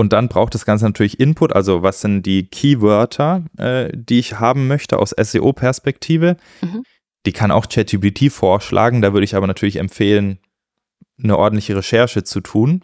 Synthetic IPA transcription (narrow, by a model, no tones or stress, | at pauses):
ʔʊnt̚d̥anbʁaʊxt̚d̥asɡ̥ant͡sənatʰyːɐlɪçʔɪnpʰʊtʔa̰lzovasz̥ɪntd̥iːkʰiːvœɐtʰɐʔɛ̰ːd̥iːɪçhaːbm̩mœçtʰəʔa̰ʊsʔɛ̰sḛːʔoːpʰɛɐspɛktʰiːvə | d̥iːkʰana̰ʊxt͡ʃɛtʰibitʰiːfoːɐʃlʔa̰ːɡŋ̩daːvʏɐɾəɪçaːbɐnatʰyɐlɪçɛ̰mfeːlən | nəʔɔɐdn̩tlɪçəʁ̞eʃɛɐʃət͡sutʰuːn